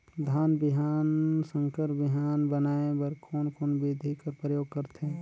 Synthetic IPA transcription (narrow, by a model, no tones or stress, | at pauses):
d̪ʱaːnbɪɦaːnsə̃ŋkəɾbɪɦaːnbənaːebəɾkʰoːnkoːnbeːd̪ʱikəɾpɾəjoːɡ̚kəɾt̪ẽ